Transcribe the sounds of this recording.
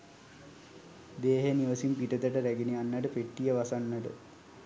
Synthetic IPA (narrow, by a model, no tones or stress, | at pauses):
d̪eːɦeniʋəsimpiʈət̪əʈəɾæɡenianːəʈəpeʈːijəʋasanːəʈə̰